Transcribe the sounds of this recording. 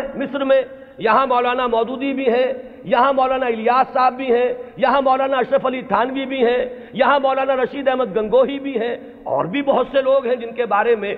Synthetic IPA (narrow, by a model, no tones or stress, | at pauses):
mɪsɾəmẽ | jɐɦãmɔːlaːnamɔːd̪uːd̪ibʱiɦɛ̃ | jɐɦãmɔːlaːnaɪlɪjaːsːaːbːʱiɦɛ̃jɐɦãmɔːlaːnaɐʃəpʰəlit̪ʰaːnʋibʱiɦɛ̃ | jɐɦãmɔːlaːnaɾɐʃid̪ɛːmət̪̚ɡɐ̃ŋɡoːɦibʱiɦɛ̃ | ɔ̰ːɾbʱibɐɦʊt̪seloːɡɦɛ̃d͡ʒɪnkebaːɾemẽ